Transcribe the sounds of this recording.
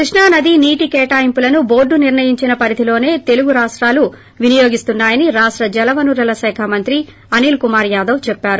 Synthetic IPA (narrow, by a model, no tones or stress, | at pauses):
kɾiʂɳaːnɐd̪iniːʈikɛːʈaːjimpulɐnubo̞ːɖːuniɾɳɐjiɲt͡ʃinɐpɐɾit̪ilo̞ːne̞ːt̪e̞luɡuɾaːʂʈɾaːlu | ʋinijo̞ːɡist̪unːaːjɐniɾaːʂʈɾɐd͡ʒɛlɐʋɐnuɾɐlɐsɛːkʰamɐnt̪ɾi | ɐniːlkumaːɾjaːd̪ɐwt͡ʃɛpːaːɾu